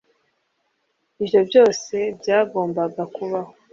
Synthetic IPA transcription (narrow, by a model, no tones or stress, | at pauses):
iβjo̞bjo̞ːse̞bɟaːɡo̞ːmbaɡakuβaho